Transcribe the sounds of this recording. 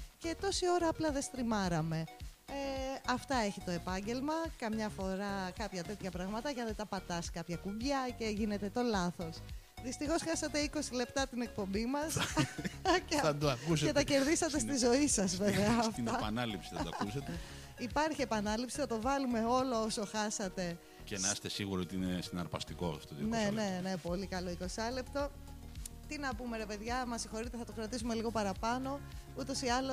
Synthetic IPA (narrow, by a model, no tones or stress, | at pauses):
ce̞t̪o̞sio̞ɾɐːplɐðe̞st̪ɾimɐɾɐme̞eɐft̪ɐe̞çit̪o̞e̞pɐɲɟe̞lmɐkɐmɲɐfo̞ɾɐkɐpçɐt̪e̞t̪çɐpɾɐɣmɐt̪ɐʝɐðet̪ɐpɐt̪ɐskɐpçɐkuɲʝɐce̞ʝine̞t̪e̞t̪o̞lɐθo̞s | ðist̪ixo̞sxɐsɐt̪e̞iko̞sile̞pt̪ɐt̪ine̞k̚po̞mbimɐs | ɐd̪oɐkuseet̪ɐce̞ɾðisɐt̪e̞st̪izo̞isɐzveveɐfneɐpɐnɐlipsiθɐt̪ɐ̰kuset̪e | ipɐɾçiepɐnɐlipsiθɐt̪o̞vɐlume̞o̞lo̞oso̞xɐsɐt̪e̞ | cenɐɐse̥t̪esiɣuɾoot̪iinesinɐɾpɐ̰st̪iko̞̰st̪oðine̞ne̞nepo̞likɐlo̞iko̞sɐlept̪o | t̪inɐpume̞ɾe̞pe̞ðʝɐmɐsixo̞ɾit̪e̞θɐt̪o̞kɾɐt̪isume̞liɣo̞pɐɾɐpɐno̞ut̪o̞siɐlo